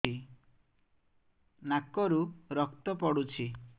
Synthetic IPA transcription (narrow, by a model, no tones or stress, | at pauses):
i | nakɔɾuɾɔkt̪ɔpɔɽut͡ʃʰi